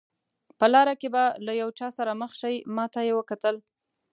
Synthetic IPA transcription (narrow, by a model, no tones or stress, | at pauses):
pəlɑɾakebalajawt͡ʃɑsaɾaməxʃajmɑt̪ajewəkat̪əl